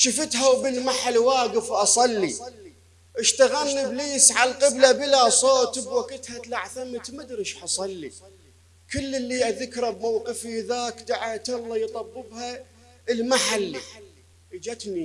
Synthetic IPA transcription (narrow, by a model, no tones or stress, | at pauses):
ʃɪfɪt̪ɦawbɪlmaħalwaːɡɪfwʔɑsˤɑlːi | ʔɪʃt̪aɣanːəbliːsʕalqɪblabəlasˤoːt̪bwakɪt̪hat̪laʕθamt̪mad̪ɾɪʃħɑsˤɑlːi | kɪlːɪlːiʔaðɪkɾˤabmawqɨfiðaːkd̪aʕat̪ɑlˤːɑjt̪ˤɑbːɨbha | əlmaħalːi | ʔəd͡ʒat̪ni